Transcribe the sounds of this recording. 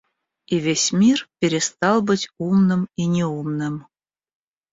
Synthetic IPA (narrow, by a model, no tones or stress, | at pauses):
ivʲesʲmʲirpʲeɾʲest̪ɑlˠbə̆tʲumnə̆minʲeumnə̆m